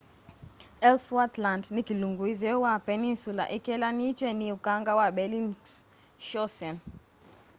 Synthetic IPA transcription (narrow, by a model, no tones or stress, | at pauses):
ɛlswatlandnikiluŋɡuiðɛwapɛninsula̰ʔikɛlanit͡ʃwɛniukaŋɡawabɛlin | ʃɔsɛn